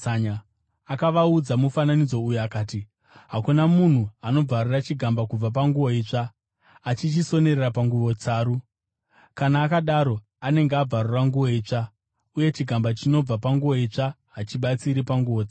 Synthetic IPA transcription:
aɲa | akaʋaud͡zamufananid͡zo̞ujuakaːti | ɦakunamun̤uano̞b͡varurat͡ʃiɡʱambakub͡vap̬aŋɡuʋoiːt͡ʂaː | t͡ʃit͡ʃiso̞ne̞rerapaŋɡuʋo̞t͡saːɾu | kanaːkaɗaɾo̞ | ane̞ŋɡeab͡varuraŋɡuʋoiːt͡ʂa | uje̞t͡ʃiɡʱambat͡ʃino̞b͡vapaŋɡuʋoit͡ʂa | ɦat͡ʃiɓat͡siɾipaŋɡuʋot͡sa

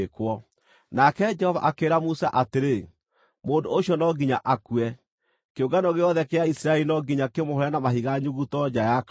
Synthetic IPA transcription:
kwɔ | nakɛd͡ʒɛhɔva̰ʔakeːɾamusaʔateɾe | moːndooɕjɔnɔɡiɲaʔakuɛ | keoŋɡanoɣeɔðɛkeaisiɾaɛɾinɔɡiɲakemohɔɾanamaɦiɣaɲuɣutɔd͡ʑajak

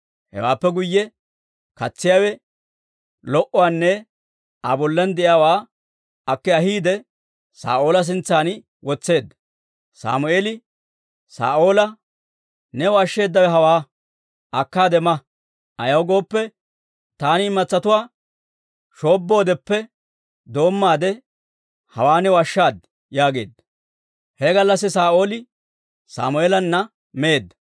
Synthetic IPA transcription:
hɛ̰wa̰ːpːɛɡʊjːɛ | kɐ̰t͡sːɪjaːwɛ | lɔʔɔwaːnːɛ | ɐbɔlːɐnd̪ɛʔjaːwaː | ɐkːɛɐɦiːd̪ɛ | sa̰ːʔo̞ːlɐs̬ɪnt͡sːaːn | wɔt͡sːe̞ːd̪ːɐ̥ | sa̰ːmʊʔeːlɪ | sa̰ːʔo̞ːlɐ | nɛwaːʃːe̞ːd̪ːɐwɛɦɐwaː | ʔɐkːaːd̪ɛmɐ | ʔɐjɐwɡo̞ːpːɛ | t̪aːnɪːmːɐt͡sːɐt̪ʊwaː | ʃo̞ːbːo̞ːd̪ɛpːɛ | d̪o̞ːmːaːd̪ɛ | hɐwaːnɛwaːʃːaːd̪ | jaːɡe̞̰ːd̪ːɐ̥ | hɛɡɐlːɐsːɪsaːʔo̞ːlɪ | sa̰ːmʊʔeːlɐnːɐ | meːd̪ːɐ

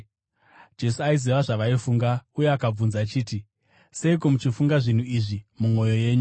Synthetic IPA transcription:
d͡ʒe̞suaiziʋaʐaʋaifuːŋɡaujeakab͡vunzat͡ʃiːti | se̞iko̞mut͡ʃifuŋɡaʐin̤uiʐimumo̞jo̞je̞ːɲu

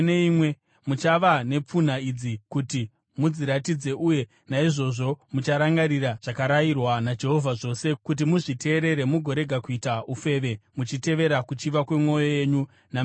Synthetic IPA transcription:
neimwe̞ | mut͡ʃaʋane̞p͡fun̤aid͡zikuti | mud͡ziɾatid͡ze̞ʔuje̞ | naiʐo̞ʐo̞mut͡ʃaɾaŋɡaɾiraʐ̥akaɾajirwanad͡ʒe̞ɦo̞vʱaʐo̞se̞kut̬imuʐite̞ːɾe̞ɾe̞muɡʱo̞ɾe̞ɡʱakuitaufe̞ːʋe̞mut͡ʃite̞ʋe̞ɾakut͡ʃiʋakwe̞mo̞jo̞je̞ːɲu | nam

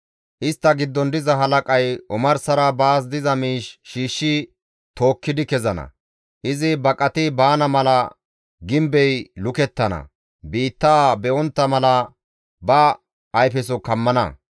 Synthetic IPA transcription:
ʔɪst̪ːɐɡɪd̪ːɔnd̪ɪzɐɦɐlɐkʼɐjʊmɐɾsɐɾɐbaːs̬d̪ɪzɐmiːʃːiːʃːɪ | t̪o̞ːkːɪd̪ɪkɛzɐnɐ̰ | ʔɪzɪbɐkʼːɐt̪ɪbaːnɐmɐlɐ | ɡɪmbɛjlʊkɛt̪ːɐnɐ̰ | biːt̪ːaːbɛʔɔnt̪ːɐmɐlɐ | bɐ | ʔːjfɛs̬ʊkɐmːɐnɐ̰

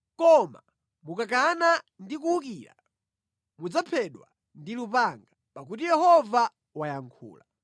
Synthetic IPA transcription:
kɔma̰ | mukak̬anandik̬uuk̬iːɾa̰ | mud͡zapʰɛɗwa̰ | ndilupaŋɡapakut̬ijɛhɔva | wajaŋkʰṵːla

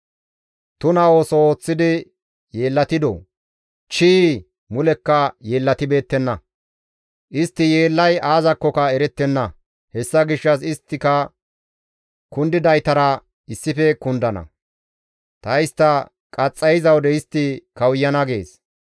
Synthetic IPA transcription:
t̪ʊnɐwoːsɔo̞ːt͡sːɪd̪ɪ | je̞ːlːɐt̪ɪd̪o̰ | t͡ʃi | mʊlɛkːɐje̞ːlːɐt̪ɪbe̞ːt̪ːɛnːɐ | ʔɪst̪ːɪje̞ːlːɐjaːzɐkːɔkɐɛɾɛt̪ːɛnːɐ | hɛsːɐɡɪʃːɐs̬ɪst̪ːɪkɐ | kʊnd̪ɪd̪ɐjt̪ɐɾɐ | ɪsːɪfɛkʊnd̪ɐnɐ̰ | t̪ɐɪst̪ːɐ | kʼɐt͡sʼːɐjɪzɐwd̪ɛɪst̪ːɪkɐwʊjːɐnɐɡe̞̰ːs

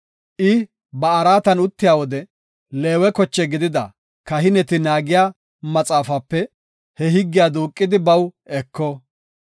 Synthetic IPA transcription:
ʔɪ | bɐːɾaːt̪ɐnʊt̪ːɪjaːwɔd̪ɛ | le̞ːwɛkɔt͡ʃːɛɡɪd̪ɪd̪ɐ | kɐɦɪnɛt̪ɪnaːɡɪjaː | mɐt͡sʼaːfɐpːɛ | hɛɦɪɡːɪjaːd̪uːkʼːɪd̪ɪbɐwɛkːɔ

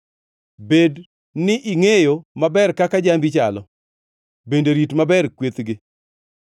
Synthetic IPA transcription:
bed | nɪʔiŋejomabɛrkakad͡ʒambit͡ʃalɔ | bendeɾitmabɛrkwet̪ɡɪ

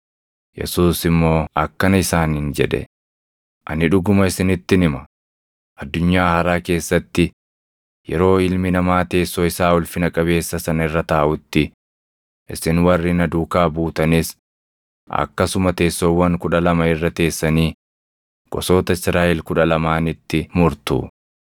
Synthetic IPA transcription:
jɛ̰suːsɪmːo̞ːʔɐkːɐnɐɪsaːnɪnd͡ʒɛᶑɛ̰ | ʔɐnɪᶑʊɡʊmɐɪsɪnɪt̪ːɪnɪmɐ | ʔɐd̪ːʊɲːaːhɐɾaːke̞ːsːɐt̪ːɪ | jɛɾo̞ːɪlmɪnɐmaːt̪e̞ːsːoɪsaːʊlfɪnɐkʼɐβe̞ːsːɐsɐnɐɪrːɐt̪aːʔʊt̪ːɪ | ʔɪsɪnwɐrːɪnɐd̪uːkaːbuːt̪ɐnɪs | ʔɐ̰kːɐsʊmɐt̪e̞ːsːowːɐŋkʊᶑɐlɐmɐɪrːɐt̪e̞ːsːɐniː | ɡ̥ɔ̰so̞ːt̪ɐɪsɾaːʔɛlkʊᶑɐlɐmaːnɪt̪ːɪmʊɾt̪ʊ̰

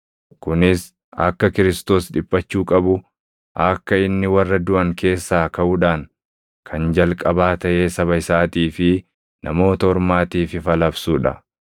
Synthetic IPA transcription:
kʊnɪs | ɐ̰kːɐkɪɾɪst̪o̞ːsᶑɪbːɐt͡ʃːuːkʼɐbʊ | ʔɐkːɐɪnːɪwɐrːɐd̪ʊʔɐŋkʰe̞ːsːaːkɐʔuːᶑaːŋ | kʰɐnd͡ʒɐlkʼɐbaːt̪ɐʔe̞ːsɐβɐɪsaːt̪iːfɪ | nɐ̰mo̞ːt̪ɐɔɾmaːt̪iːfɪfɐlɐbsuːᶑɐ̰

